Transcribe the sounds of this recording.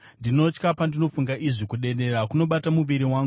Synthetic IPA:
ndino̞t͡ʃkapandino̞fuŋɡaʔiʐikuɗe̞ɗe̞ɾakuno̞ɓatamuʋiɾiwaːŋɡu

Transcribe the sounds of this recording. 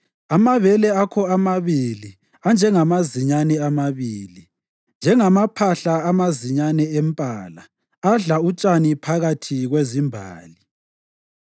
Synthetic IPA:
amaβɛlɛakʰɔamaβili | and͡ʒʱɛŋamaziɲanɛamaβiːli | nd͡ʒʱɛŋamapʰaɬaːmaziɲanɛɛmpʼaːla | aɮaut͡ʃʼanipʰaɣatʰiɣwezimbʱa̰ːli

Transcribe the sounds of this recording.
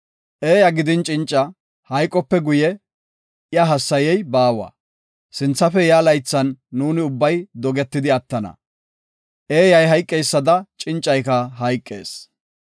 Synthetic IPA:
ʔeːjɐɡɪd̪ɪnt͡ʃʼɪnt͡ʃʼːɐ | hɐjkʼːɔpːɛɡʊjɛ | ʔɪjɐɦɐsːɐjɛjbaːwɐ̰ | sɪnt͡sːɐfɛjaːlɐjt͡sːɐnːuːnɪʊbːɐjd̪ɔɡɛt̪ːɪd̪ɪɐt̪ːɐnɐ̰ | ʔeːjɐjɦɐjkʼːɛjsːɐd̪ɐt͡ʃʼɪnt͡ʃʼːɐjkɐɦɐjkʼːe̞̰ːs

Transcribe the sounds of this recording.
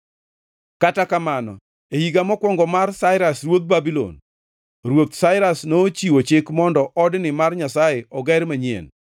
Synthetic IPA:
katakamanɔ̰ | ehiɡamɔkwɔŋɡɔmarsaɪɾasɾwod̪̚babilo̰n | ɾwot̪saɪɾasnot͡ʃiwot͡ʃɪkmɔndɔʔɔdnɪmarɲasajeɔɡɛɾmaɲjḛn

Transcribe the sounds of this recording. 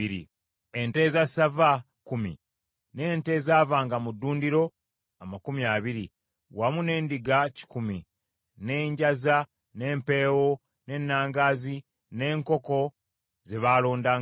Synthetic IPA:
iɾḭ | e̞nte̞ːzasava | kumḭ | ne̞ːnte̞ːzaːvaːŋɡamudːuːndiɾo̞ | amakumiaːβiɾi | wamune̞ːndiɡaci̥kumi | ne̞ːɲɟaza | ne̞ːmpe̞ːwo̞ | ne̞nːaːŋɡaːzi | ne̞ːŋko̞ko̞ | ze̞βaːlo̞ːndaːŋ

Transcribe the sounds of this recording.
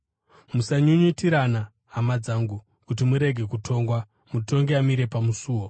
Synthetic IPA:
musaɲuɲitiɾana | ɦamad͡zaːŋɡu | kut̬imuɾe̞ɡʱe̞kutʰo̞ːŋɡwa | muto̞ŋɡeamiɾe̞pamusuːwo̞

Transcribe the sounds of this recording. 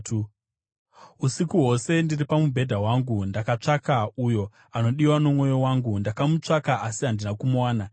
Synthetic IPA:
usikuɦo̞se̞ndiripamubʱe̞dʱawaŋɡundakat͡ʂakaujo̞ | ano̞ɗiwanomwo̞jowaŋɡundakamut͡ʂakaʔasiɦandinakumuwaːna

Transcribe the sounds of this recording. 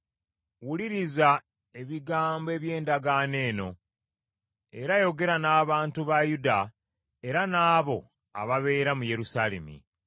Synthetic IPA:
wuliɾiza | e̞βiɡaːmboe̞ːβje̞ːndaɡane̞ːno̞̰ | e̞ɾajo̞ɡe̞ɾanaːβaːntuβajuda | e̞ɾanaːβo̞ | a̰βaβe̞ːɾamuje̞ɾusale̞̰mḭ

